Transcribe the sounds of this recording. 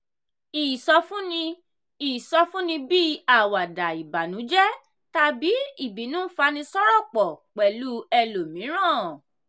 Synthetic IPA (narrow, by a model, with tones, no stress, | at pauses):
i˨sɔ˧fũ˦nĩ˧ | i˨sɔ˧fũ˦nĩ˧bi˦a˦˨wa˨da˨i˨ba˨nũ˨˦d͡ʒɛ˦ | ta˧bi˨˦i˦˨bi˨˦nũː˦fa˧nĩ˧sɔ˦ɾɔ˦˨k͡pɔ˨k͡pɛ˨lu˨˦ɛ˧lo˨mĩ˨˦ɾ̃ã˦˨